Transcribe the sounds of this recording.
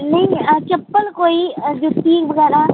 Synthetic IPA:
nɐɦĩət͡ʃɐpːəlkoːid͡ʒoːt̪ʰiːkʋɐɡɛːɾa

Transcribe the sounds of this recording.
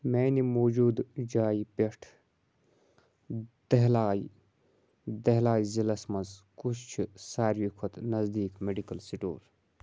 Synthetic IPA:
meːnimoːd͡ʒuːd̪d͡ʒaːjpeʈʰ | d̪̥ɐɦlaːj | d̪ɐɦlaːjzilɐsmɐzkut͡ʃʰt͡ʃʰisaːɾʋikʰot̪nɐzd̪iːkmeɖikɐlsiʈo̰ːɾ

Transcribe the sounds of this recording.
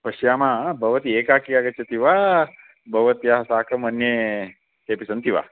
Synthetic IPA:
pɐʃjamãbʱɐʋət̪iekakiaɡət͡ʃet̪iʋa | bʱɐʋət̪ijasaːkəmənje | t̪eːpisənt̪iʋa̰ː

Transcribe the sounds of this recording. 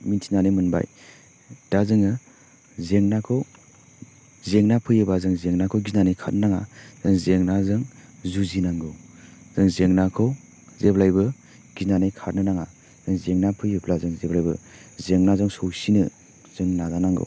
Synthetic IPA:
mintʰinanemɯnba̰j | d̥azɯŋɯ | zeŋnakʰɔw | zeŋnapʰɯjɯbazɯŋzeŋnakʰɔwɡinanajkʰat̚nɯnaŋaz̥ɯŋzeŋnazɯŋzuzinaŋɡɯwz̥ɯŋzeŋnakʰɔ | zeblajbɯ | ɡ̥inanajkʰat̚nɯnaŋa | z̥ɯŋzeŋnapʰɯjɯpʰlazɯŋzeblajbɯ̰zeŋnazɯŋsowsinɯ | z̥ɯŋnazanaŋɡɯ̰w

